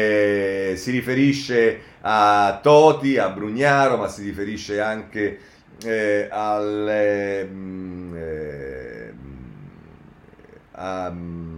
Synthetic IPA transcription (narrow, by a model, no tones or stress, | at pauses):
siɾifeɾiʃːe | at̪ːɔːt̪iabːɾuɲːaːɾomasiɾifeɾiʃːeaŋk̟e | al | a